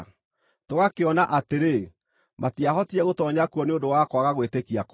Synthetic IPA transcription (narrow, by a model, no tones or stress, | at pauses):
toɣakeɔnaʔateɾe | mʔatiaɦɔtiɛɣotɔɲakuɔneondowakwaɣaɣwetekiak